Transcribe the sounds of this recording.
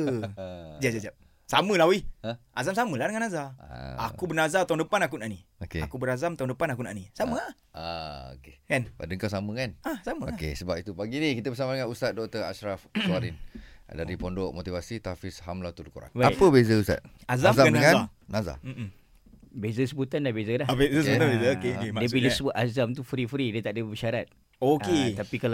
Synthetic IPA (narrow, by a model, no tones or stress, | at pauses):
d͡ʒad͡ʒad͡ʒap̚ | saməlawiə̃ʔazamsaməlahdəŋanːazaa̰a̰kubərnazat̪aundəpanak̬unaʔniokeakubəɾazamt̪aũndəpanakunaʔnisaməa | ao̰kekanpadəŋkas̬amə̃kanasaməoakḛsəbap̚it̪upaɡinikit̪əbəsamadəŋanust̪at̪̚dɔk̚t̪əɾa̰ʃɾafsaɾindaɾipondoʔmot̪ivasit̪afishamlat̪ulkuɾa̰ŋwaapəbezəust̪a̰t̪̚azazaadəŋãnaza̰ | bezəsəbut̪anlahbezəlabezəsəbt̪abezəokekediəbilisəbut̪azamt̪ufɾifɾidət̪aʔdəbəʃaɾat̪̚ | oket̪apikal